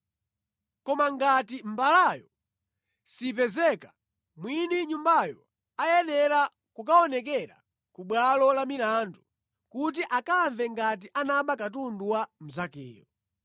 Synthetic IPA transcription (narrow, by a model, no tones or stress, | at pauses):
kɔmaŋɡatimbalajɔ | sip̬ɛzɛka | mwiniɲumbajɔ | ajɛnɛɾa | kukaɔnɛkɛɾa̰ | kuɓwalɔlamilandu | kut̬iʔakaɱvɛŋɡat̬iʔanaɓakatunduwam̩zakɛ̰ːjɔ